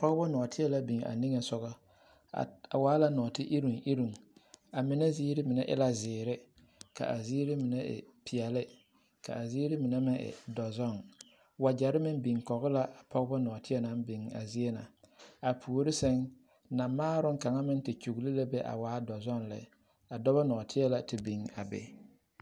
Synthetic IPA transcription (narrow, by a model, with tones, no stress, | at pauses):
pɔ˦ɣbɔ˦nɔː˨tʰɪ˦ɛ˦la˦bi˨ŋa̰˨ni˦ŋe˨sɔ˦ɣɔ̰˦˨ | a˨waː˨˦la˦nɔ˨tɪ˦ʔi˦ɾu˨ŋʔi˦ɾu˨ŋa˨mɪ˨˦nɛ˦ziː˦ɾɪ˦mɪ˨nɛ˦ʔɪ̰˦la˨zɪː˨ɾɪ˦ | ka̰˨ʔa˨ziː˦ɾɪ˦mɪ˨nɛ˦ʔɪ̰˨pɪ˨ɛ˨lɪ˦ | ka̰˨a˨ziː˦ɾɪ˦mɪ˨nɛ˦mɪ˦ŋɪ̰˨dɔ˨zɔ˦˨ŋ | wa˨d͡ʒa˨ɾɪ˦mɪ˦nbi˨ŋkɔ˨ɣʊ˦la˦ʔa˨pʰɔ˦ɣba˦nɔː˨tɪ˦ɛ˦na˨˦nbi˨ŋa̰˨zi˦e˦na˨ | a˨pʰu˨o˨ɾɪ˦sɛ˦ŋ | na˨maː˦ɾʊ˦ŋka˨ŋa˦mɪ˦n˦tɪ˨t͡ʃu˨ɣli˦la˦bɛ˦ʔa̰˨waː˨˦dɔ˨zɔ˦nlɛ̰˨˦ | a˨dɔ˦ba˦nɔ˨tʰɪ˦ɛ˦la˨tɪ˨bi˨ŋa̰˨bɛ̰˨